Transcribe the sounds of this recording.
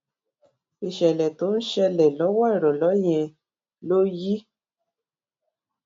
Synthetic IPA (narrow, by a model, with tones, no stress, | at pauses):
i˨ʃɛ˨lɛ˨to˨˦n̩˦ʃɛ˦lɛ˨lɔ˨˦wɔ˦˨ɾɔ˨lɔ˨˦jɛ̃˨ | lo˦ji˦